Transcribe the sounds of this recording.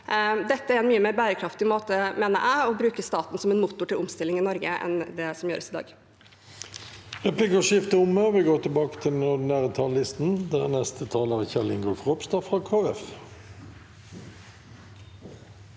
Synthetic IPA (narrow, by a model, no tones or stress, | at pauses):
d̪ɛt̪ːəæɾɛnmyːəmeːɾbæːɾəkʰɾɑft̪ɪmoːt̪əmeːnəʔæɪɔbɾʉːkəst̪ɑːt̪n̩sɔmɛnmut̪ʊʈʰɪlʊmst̪ɪlːɪŋɪnɔɾɡəɛ̰nd̪ɛsɔmjøːɾəsɪd̪ɑ̰ːɡ | ʁɛpʰlɪkəʁʃɪft̪əʊməʋɪɡoːʈ̪ɪlbɑːkə̥t̪ʰɪlɛnʊd̪ɪnæːʁət̪ʰɑlːɪst̪nd̪æɛnɛst̪ʰət̪ʰɑːləʁçɛlɪŋɡʉlfʁɔpst̪ɑːfʁɑːkʰoːɛf